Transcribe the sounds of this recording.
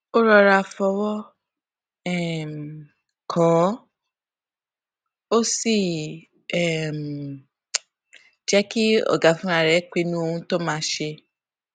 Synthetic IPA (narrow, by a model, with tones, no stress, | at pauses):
o˦ɾɔ˧ɾa˧fɔ˧wɔ˦ | ɛ˦˨m˨ | kʰɔ̃˨˦ | o˦si˦˨ | ɛ˦˨m˨ | d͡ʒɛ˦ki˦ɔ̰˨ɡa˨fũ˦ɾã˦˨ɾɛ˨˦k͡pi˦˧nũ˦o˧ũ˧to˦mãː˦ʃe˧